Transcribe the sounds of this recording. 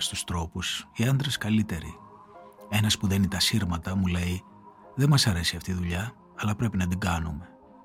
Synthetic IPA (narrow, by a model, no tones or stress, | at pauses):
st̪ust̪ɾo̞pusiɐnd̪ɾeskɐlit̪e̞ɾḭ | enɐspuðenit̪ɐsiɾmɐt̪ɐmule̞i | ðe̞mɐsɐɾe̞siɐft̪iðuʎɐː | lɐpɾe̞pinɐd̪iɡɐnume̞